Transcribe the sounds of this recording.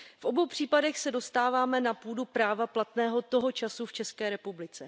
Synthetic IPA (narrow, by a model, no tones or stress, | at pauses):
fʔo̞bo̞wpr̥iːpadɛxsɛdo̞st̪aːvaːmɛnapuːdupɾaːvaplat̪nɛːɦo̞t̪o̞ɦo̞t͡ʃasuft͡ʃɛskɛːɾɛpublɪt͡sɛ